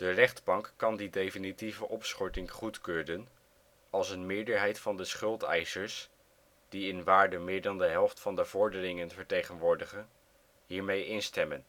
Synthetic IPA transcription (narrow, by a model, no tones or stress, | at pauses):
d̥ərɛχdbɑŋkːɑndidejfinitivəʔɔpsχɔɹtɪŋχutkøːdən | ɑlˠsənmɪːɹdəɹɦɛjtfɑndəsχɵlˠtɛ̰jsəɹs | d̥iɪnʋaːɹdəmɪːɹdɑndəɦɛlˠftfɑndəvɔɹdərɪŋənvəɹtejχənʋʊːɹdəχən | ɦiːɹmejɪnstɛmən